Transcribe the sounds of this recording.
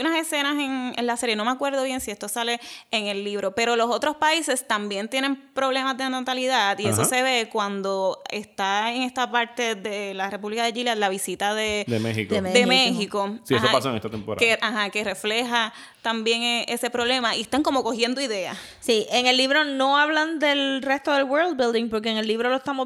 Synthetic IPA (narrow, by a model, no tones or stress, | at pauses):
unase̞se̞nase̞ŋḛnlase̞ɾje̞no̞meakwe̞ɾðo̞βje̞nsiest̪osale̞ːŋe̞lːiβ̞ɾo̞pe̞ɾo̞lo̞so̞t̪ɾospaise̞st̪ambjent̪je̞nẽ̞mpɾo̞βle̞mazd̪enot̪aliðat̪iesose̞βe̞kwand̪o̞e̞st̪aeŋe̞st̪apaɾt̪e̞ðe̞lare̞puβlikaðed͡ʒilaðelaβisit̪aðed̪emehikd̪emehikosioapasoḛŋest̪at̪empoɾa̰eaɦake̞re̞fle̞ɦa | t̪ambje̞ŋeʔe̞se̞pɾo̞βle̞maʔḭest̪aŋko̞mo̞ko̞hje̞nd̪oiðe̞a̰ | siʔeŋe̞lːiβɾo̞no̞aβland̪elrest̪oðelweɾld̪̚bild̪iŋpo̞ɾk̬eeŋelːiβɾoloest̪amo